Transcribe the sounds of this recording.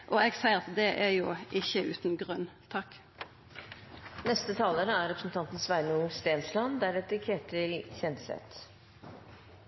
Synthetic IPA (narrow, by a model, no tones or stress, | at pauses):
ʔoeːɡsæɪəʁɑt̪d̪ɛʔæɾjuːʔɪçəʔʉːt̪n̩ɡʁœnt̪ʰɑk | nɛst̪ət̪ʰɑːləɾəæɾɛpɾsn̩t̪ʰɑnt̪n̩sʋæɾnust̪eːnslɑnd̪æɾɛt̪əkʰɛʈəɾɪlçɛnd̪sɛ̰t̪